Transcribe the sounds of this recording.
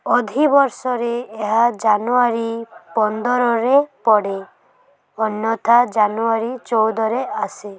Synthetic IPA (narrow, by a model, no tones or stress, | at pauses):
ɔd̪ʱibɔɾsɔɾeːɦad͡ʒanuaɾipɔnd̪ɔɾɔɾepɔɽe | ɔnjɔt̪ad͡ʒanuaɾit͡ʃɔwd̪ɔɾease